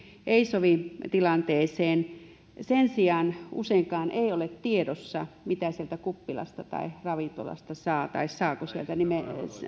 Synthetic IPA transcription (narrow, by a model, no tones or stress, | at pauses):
ʔeisoʋit̪ilɑnt̪eːseːn | sensiɑːnṵseiŋkɑːnʔeˑiolet̪t̪iedosːɑmit̪æsielt̪ækupːilɑ̰st̪ɑt̪ɑ̰irɑʋit̪o̰lɑ̰st̪ɑsɑːt̪ɑissɑːkosielt̪ænime